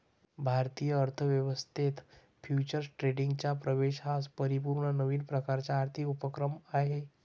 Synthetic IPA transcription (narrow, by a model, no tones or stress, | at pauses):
bʱaɾt̪ijəəɾt̪ʰəʋjəʋəst̪ʰet̪ | fjut͡ɕəɾsʈɾeɖiŋɡt͡ɕjapɾəʋeɕɦaspəɾipuɾɳənəʋiːnpɾəkaɾt͡ɕjaːɾt̪ʰikupəkɾəmaɦe